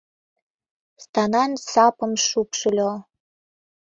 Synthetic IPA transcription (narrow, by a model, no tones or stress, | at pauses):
st̪ɑnɑnsɑpə̆mʃukʃəlʲo